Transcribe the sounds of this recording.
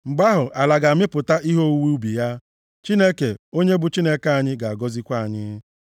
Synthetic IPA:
ŋ͡m̩˨ɡ͡ba˦ɦʊ˨ʔa˨la˨ɡa˨mɪ˦pʊ˨ta˦i˦ɦo˦u˦wu˦u˦bi˨ja˦ | t͡ʃi˦ne˦ke˨o˦ɲe˦bʊ˨t͡ʃi˦ne˦ka˨˦a˨ɲɪ˦ɡa˨a˨ɡɔ˦zi˦kʷa˦˨a˨ɲɪ̰˦

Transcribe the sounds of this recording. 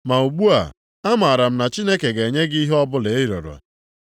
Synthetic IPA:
ma˨u˨ɡ͡bu˦a̰˨ | a˦ma˨a˨ɾa˨m̩˦na˨t͡ʃi˦ne˦ke˨ɡe˨ɲe˦ɡi˦ɦɔ˦bʊ˦le˦i˦ɾɔ̰˨ɾɔ̰˨

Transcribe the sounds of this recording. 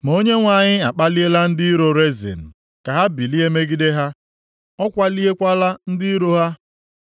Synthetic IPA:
mo˦ɲe˦ŋʷa˨ɲɪ˦a˨k͡pa˦li˦e˦la˦n̩˦dɪ˦i˦ɾo˦ɾe˦zḭ˨n̩˨ | ka˨ɦa˦bi˨li˦e˦me˦ɡi˦de˦ɦa˦ | ɔ˦kʷa˦li˦e˦kʷa˦la˦n̩˦dɪ˦i˦ɾo˦ɦa˦

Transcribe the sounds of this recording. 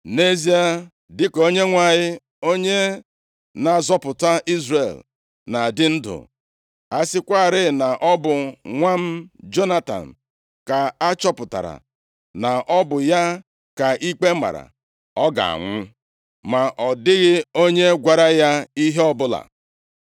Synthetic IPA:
ne˦zi˦a˦ | dɪ˦ko˦ɲe˦ŋʷa˨ɲɪ˦ | o˦ɲe˦ | na˨zɔ˦pʊ˨ta˦ʔi˦zrḛ˨l | na˨dɪ˦n̩˦dʊ̰˨ | a˦sɪ˦kʷa˦˨ɾɪ˦na˨ʔɔ˦bʊ˨ŋʷa˦m̩˦d͡ʒo˦na˦ta̰˨n̩˨ | ka˨a˦t͡ʃɔ˦pʊ˨ta̰˨ɾa̰˨ | na˨ʔɔ˦bʊ˨ja˦ | ka˨ʔi˦k͡pe˦ma̰˨ɾa̰˨ | ɔ˦ɡa̰˨a̰˨ŋʷʊ˦ | ma˨ʔɔ˨dɪ˦ɣɪ˦o˦ɲe˦ɡʷa˨ɾa˦ja˦i˦ɦe˦ɔ˦bʊ˦la̰˨

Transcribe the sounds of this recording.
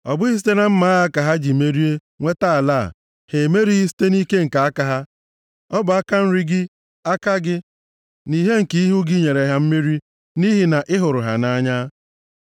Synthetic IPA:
ɔ˨bʊ˦i˦s̬i̥˦te˦na˦m̩˦ma˦ɣa˦ka˨ɦa˦d͡ʒi˨me˦ɾi˦e˦ | ŋʷe˦ta˦a˨la̰˦˨ | he˨me˦ɾi˦ɦi˦s̬i̥˦te˦ni˦ke˦ŋ̩˨ka˨a˦ka˨ɦa˦ | ɔ˦bʊ˨a˦ka˦n̩˦ɾi˦ɡɪ˦ | a˦ka˦ɡɪ˦ | ni˦ɦe˦ŋ̩˨ki˦i˦ɦu˦ɡɪ˦ɲe˨ɾe˨ɦa˦m̩˦mi˦ɾi˦ | ni˦ɦi˨na˨ʔɪ˦ɦʊ˨ɾʊ˨ɦa̰˨na˦ɲa˦

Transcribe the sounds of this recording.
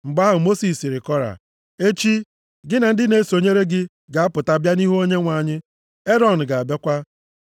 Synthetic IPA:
ŋ͡m̩˨ɡ͡ba˦ɦʊ˨mo˦si˨si˨ɾɪ˨kɔ˦ɾa̰˨ | e˦t͡ʃi˦ | ɡɪ˦na˨n̩˦dɪ˦ne˨˦so˨ɲe˦ɾe˦ɡɪ˦ | ɡa˨a˦pʊ˨ta˦bja˦ni˦ɦo˦ɲe˦ŋʷa˨ɲɪ˦ | e˦ɾɔ˨n̩˨ɡa˨a˨be˦kʷa˦

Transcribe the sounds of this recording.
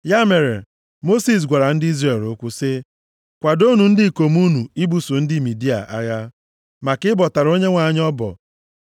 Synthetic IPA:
ja˦me˨ɾe˨ | mo˦si˨s̬ɡʷa˨ɾa˨n̩˦di˦zɾe˨lʊ˦kʷʊ˦sɪ˦ | kʷa˨do˦nu˨n̩˦dɪ˦˨ko˨mu˦nu˨i˦bu˨sʊ˨n̩˦dɪ˦˨mi˨di˦a̰˨ʔa̰˦ɣa˦ | ma˨kɪ˦bɔ˨ta˨ɾo˦ɲe˦ŋʷa˨˦ɲ˦ɔ˦bɔ̰˨

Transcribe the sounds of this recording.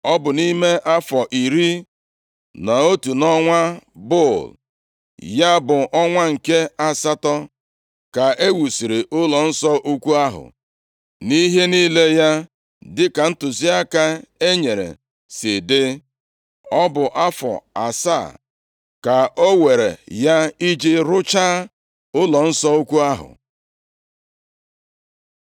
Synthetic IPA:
ɔ˦bʊ˨ni˦me˦ʔa˦fɔ˨ʔi˨ɾi˦ | na˨o˦tu˨nɔ˦ŋʷa˦bo˦˨l | ja˦bʊ˨ʔɔ˦ŋʷa˦ŋ̩˨ke˦a˦sa˦tɔ˦ | ka˨e˦wu˨si˨ɾe˨ʔʊ˦lɔ˨n̩˦sɔ˦ʔu˦kʷu˦a˦ɦʊ̰˨ | ni˦ɦe˦ni˦le˦ja˦ | dɪ˦ka˨n̩˦tʊ˨zi˦a˦ka˦e˦ɲe˨ɾḛ˨ | sɪ˨de˦ | ɔ˦bʊ˨ʔa˦fɔ̰˨a̰˨sa̰˦˨ | ka˨ʔo˦we˨ɾḛ˨ja˦i˦d͡ʒe˦ɾʊ˦t͡ʃaː˦ | ʊ˦lɔ˨n̩˦sɔ˦u˦kʷu˦a˦ɦʊ̰˨

